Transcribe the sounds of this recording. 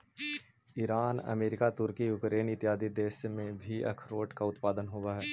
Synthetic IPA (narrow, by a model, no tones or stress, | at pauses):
iɾaːnɐ̰meːɾɪkat̪ʊɾkijʊkɾeːnɪt̪jaːd̪id̪eːʃmẽbʱiʔɐ̰kʰɾoːʈkaʊt̪paːd̪ənɦoːɡaɦɛː